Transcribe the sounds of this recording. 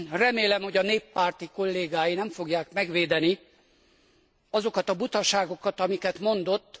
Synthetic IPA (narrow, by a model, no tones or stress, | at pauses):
rɛmeːlɛmho̞ɟɒneːpːaːrt̪iko̞lːeːɡaːjinɛɱfo̞ɡjaːkmɛɡʋeːd̪ɛni | ɒzo̞kɒt̪ɒbut̪ɒʃaːɡo̞kɒt̪ɒmikɛt̪mo̞nd̪o̞t̪ː